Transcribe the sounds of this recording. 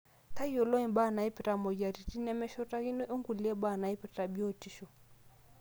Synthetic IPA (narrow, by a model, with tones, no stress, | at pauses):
ta˦jɔ˨lɔ˦i˨ba˦˨na˨i˦pi˨ɾa˨mɔ˨d͡ʒa˨ɾi˨ti˦nɛ˦mɛ˦ʃɔ˦ta˦ɣi˦nɔ˦ʔɔ˦ŋɡu˨li˨ɛ˦ɓa˦˨na˨i˦pɛ˨ta˨bi˦ɔ˦˨ti˦ʃɔ˨